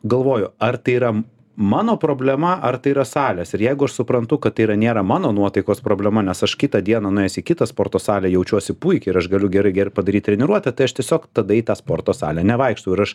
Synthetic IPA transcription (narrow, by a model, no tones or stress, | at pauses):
ɡɐlˠʋoːjʊɐrt̪ɐɪiːɾɐ | mɑːnoːpɾoːbʲlʲɛmɐʔɐrt̪ɐɪiɾɐsɑːlʲɛːsɪɾjɛɪɡʊɐʃsʊpɾɐnt̪ʊkɐt̪t̪ːɐɪiɾɐnʲeːɾɐmɑːnoːnuɔt̪ɐɪkoːspɾoːbʲlʲɛmɐnʲɛsɐʃkʲɪt̪ɐd̪ʲiɛnɐnʊɛːsʲɪːkʲɪt̪ɐspoːrt̪oːsɑːlʲɛjɛʊt͡ʃʲuɔsʲɪpuɪkʲɛɪɾɐʃɡɐlʲʊɡʲɛɾɐɪɡʲɛrpɐd̪ɐɾʲiːt̚ʲt̪ʲɾʲɛnʲɪɾuɔt̪ɐt̪ɐɪɐʃt̪ʲiɛsʲoːkt̪ɐd̪ɐit̪ɑːspoːrt̪oːsɑ̰ːlʲɛnʲɛʋɐɪkʃt̪ɐʊɪɾɐʃ